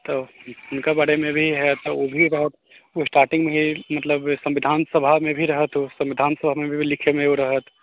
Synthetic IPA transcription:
t̪oːʊnkabaːɽemẽbʱiɦɛt̪oobʱiɾɐɦət̪ | osʈaːɾʈɪ̃ŋɡmẽɦimɐt̪ləbsɐ̃mʋɪd̪ʱaːnsəbʱamẽbʱiɾɐɦət̪ɦosɐ̃mʋɪd̪ʱaːnsəbʱamẽbʱibʱilɪkʰemẽoɾɐɦət̪

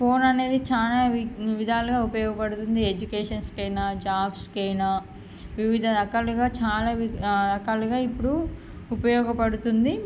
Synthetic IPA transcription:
po̞ːnɐne̞ːd̪it͡ʃaːlaːʋid̪ʱaːluɡaːupɐjɔːɡɐpɐɽut̪und̪ied͡ʒukeːʂɐnskɛjnaːd͡ʒaːbskɐjna | ʋiʋid̪ʱɐd̪ɐkaluɡaːt͡ʃaːlaːd̪ɐkaːluɡaːipːuɽu | upɐjɔːɡɐpɐɽut̪und̪i

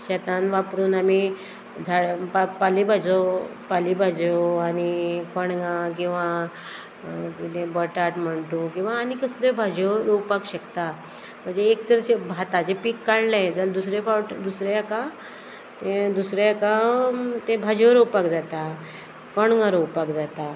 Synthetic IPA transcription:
ɕɛt̪anʋapɾuːnami | d͡zʱaɭpapalibʱad͡zopalibʱad͡zoanikəɳɡãk̬ĩw̃ʋa | kit̪ẽbəʈaʈm̤əɳt̪ũkĩw̃ʋaːnikəslebʱad͡ʑəɾowpakɕəkt̪a | m̤əɳd͡zeːkt͡səɾɕebʱat̪ad͡zepikːaɽlẽd͡zald̪usɾefaʈd̪usɾeaka | t̪ẽd̪usɾeakat̪ẽbʱad͡ʑəɾowpakd͡zat̪a | kəɳɡãɾowpakd͡zat̪a

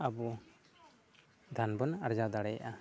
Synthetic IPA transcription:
abɔ | d̪ʱanbɔnaɾd͡ʒawd̪aɽɛjaʔa

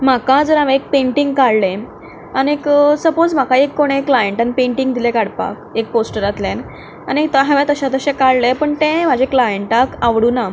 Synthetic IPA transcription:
m̤akãd͡zəɾaʋeek̚pẽɳʈiŋɡkaɽlẽ | anieksəpod͡zm̤akaekːoɽ̃ekːlajeɳʈanipẽɳʈiŋɡd̪ilɛkaɽpa̰kek̚posʈəɾat̪len | añit̪əɦaʋẽt̪əɕat̪əɕẽkaɽlepəɳt̪ẽm̤ad͡ʑeklajeɳʈakaʋɽuːna

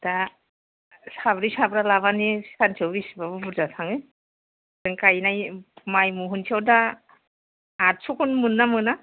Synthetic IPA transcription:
da | sabɾisabɾalaβanisansʰawbisbabɯbuɾzatʰaŋɯ | dɯŋkajnajmajmuɦunsʰiawda | t̚sʰukʰunmɯnːamɯna

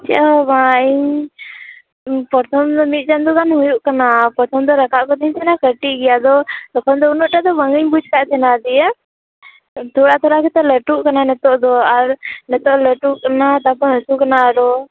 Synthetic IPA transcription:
t͡ʃɛ̰ʔɔbãiɲ | pɔɾt̪ʰɔmd̪ɔmit̪̚ˀt͡ʃand̪uɡanɦujuʔkanapɔɾt̪ʰɔmd̪ɔɾəkʰaʔkɔt̪ɛɦĩɲt̪ʰɛnakəʈiʔɡɛjad̪ɔt̪ɔkʰɔnd̪ɔunɔʔʈad̪ɔbəŋɡəɲbud͡ʒʱkaʔt̪ʰɛnad̪ijɛ | t̪ʰoɽat̪ʰɔɽakɛt̪ɛləʈuʔkananɛt̪ɔʔd̪ɔaɾnɛt̪ɔʔləʈuʔkənat̪apɔɦəsukɐnaɾɔ

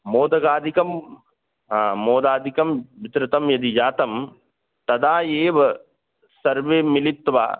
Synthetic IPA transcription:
moːd̪ɐɡaːd̪ʱikɐm | ɦãːmoːd̪aːd̪ʱikɐmʋit̪ɾɪt̪ɐmjɐd̪id͡ʒaːt̪ɐm | t̪ɐd̪aːjeːʋɐ | sɐɾʋeːmilit̪ːʋa̰ː

